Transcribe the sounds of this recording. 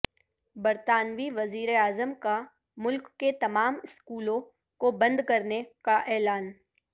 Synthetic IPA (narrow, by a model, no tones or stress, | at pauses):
bɐɾt̪aːnʋiʋɐziːɾeaːzəmka | mʊlkːet̪ɐmaːmɪskuːlõ | kobɐ̃nd̪kɐɾnekaʔɛːlaːn